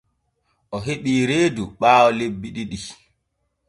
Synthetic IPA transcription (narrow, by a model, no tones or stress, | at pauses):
ʔɔɦeɓiːɾeːduɓaːɔlebːiɗiɗi